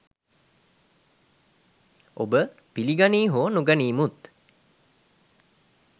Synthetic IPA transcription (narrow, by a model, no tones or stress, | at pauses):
ʔobə | piliɡaniːɦoːnuɡaniːmut̪